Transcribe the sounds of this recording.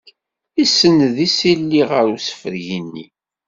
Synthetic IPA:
isːənðisilːiʁəɾusə̥fəɾʝinːḭ

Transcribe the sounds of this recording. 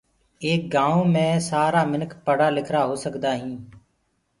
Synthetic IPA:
eːk̚ɡãːõːmẽːsaːɾaːmɪnkpəɽaːlɪkʰɾaːɦoːsəkd̪aːɦĩː

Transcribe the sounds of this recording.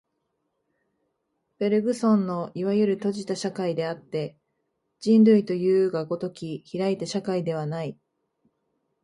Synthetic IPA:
be̞ɾɯ̟ɡɯ̟sõ̞nːo̞iβajɯ̟ɾɯ̟t̪o̞ʑit̪aɕakaid̪e̞at̪ːe̞ | d͡ʑĩndɯ̟it̪o̞jɯ̟ːɡaɡo̞t̪o̞kʲiçiɾait̪eɕakaid̪e̞β̞anai

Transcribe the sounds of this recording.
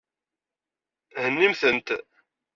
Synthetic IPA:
hənːimθənt̪

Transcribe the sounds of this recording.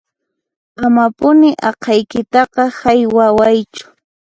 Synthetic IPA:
amapʊnɪʔɑqʰɑjkɪt̪ɑqɑhajwawajt͡ʃʊ̥

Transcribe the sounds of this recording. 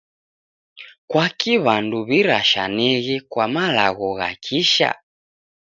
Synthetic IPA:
kwakiβanduβiɾaʃanɛɣɛkwamalaɣɔɣa̰kʰiʃa̰

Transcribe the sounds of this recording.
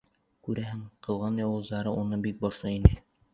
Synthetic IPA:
kʉɾæɦɘŋqɤ̆lˠʁɑnjɑwɤ̆zd̪ɑɾɤunɤbik̚bŏɾsɤinɘ

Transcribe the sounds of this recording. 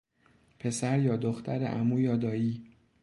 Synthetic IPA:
pʰe̞sæɾjɒːd̪oxt̪ʰæɾḛʔæ̰muːjɒːd̪ɒːiː

